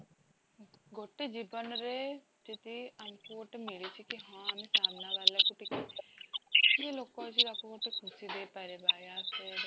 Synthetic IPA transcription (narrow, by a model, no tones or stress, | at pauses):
ɡoʈːeːd͡ʒiːbənɾeː | d͡ʒ̪ɪt̪iəmkoːʈemɪlit͡ʃʰikiɦãːəmẽsaːmnaːʋaːlekuʈɪkeː | jeloːkãːt͡ʃid̪akoɡoʈekʰʊsid̪eːpɛɾebaːjaːse